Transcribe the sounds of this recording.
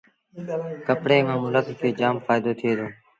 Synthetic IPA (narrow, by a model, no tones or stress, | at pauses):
kəpɽeːmãːmʊlət̪kʰeːd͡ʒaːmfaːjd̪oːt̪ʰɪeːd̪õː